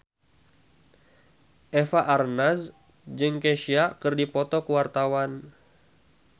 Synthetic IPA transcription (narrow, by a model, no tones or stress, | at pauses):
ʔɛfaʔarnas | d͡ʒɨŋkeʃiakɨrdipɔt̪ɔkəwart̪awan